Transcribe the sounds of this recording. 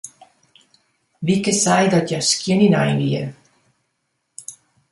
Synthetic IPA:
ʋikəsɛjdɔtjaskiəninajnʋiə

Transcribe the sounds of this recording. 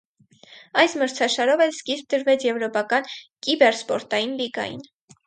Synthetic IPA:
ɑjsməɾt͡sʰɑʃɑɾɔvɛlskisp̚d̪əɾvɛt͡sʰjɛvɾɔpɑkɑnkibɛɾspɔɾt̪ɑjinliɡɑ̰jḭn

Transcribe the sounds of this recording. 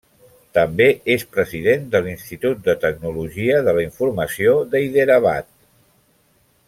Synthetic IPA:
t̪əmbeespɾəziðend̪əlinst̪it̪ut̪̚d̪ət̪əɡ̚nuluʒiəðələiɱfurməsioðəiðeɾəβa̰t̪̚

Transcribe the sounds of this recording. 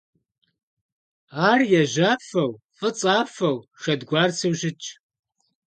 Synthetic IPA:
aːrjɛʑaːfɐwfʼɨt͡sʼaːfɐwʃɐdɡʷaːrsʰiwʑɪt͡ʃʼ

